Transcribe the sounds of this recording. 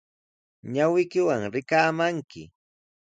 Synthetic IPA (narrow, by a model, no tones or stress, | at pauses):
ɲawɪjkɪwaŋɾɪkaːmaŋkɪ̰